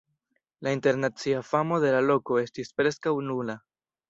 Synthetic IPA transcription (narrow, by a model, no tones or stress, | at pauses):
lainte̞ɾnat͡siafamo̞de̞lalo̞ko̞e̞stispɾe̞skawnula